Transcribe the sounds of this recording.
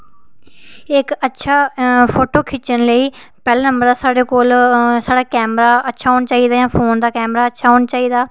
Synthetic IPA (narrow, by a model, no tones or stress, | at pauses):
ɪkətːʃʰaːpʰoːʈoːkʰɪt͡ʃənləiː | pɛːleːnə̃mbəɾd̪aːsaːɽeːkoːlsaːɽaːkɛːmɾaːətːʃʰaːɦoːnat͡ʃaːiːd̪aːjãːpʰoːnd̪aːkɛːmɾaːətːʃʰaːɦoːnat͡ʃaːiːd̪aː